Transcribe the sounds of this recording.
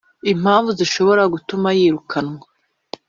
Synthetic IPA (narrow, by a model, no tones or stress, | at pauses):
im̥haːɱvuziʃo̞βo̞ɾaɡutumajiːɾukʰanŋwa